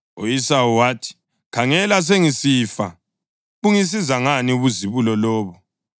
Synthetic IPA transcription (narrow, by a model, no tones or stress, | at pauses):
oisauwaːtʰi̥ | kʰaŋɛlas̬eŋisifa̰ | uŋis̬izaŋaniuβuziβulɔlɔːβɔ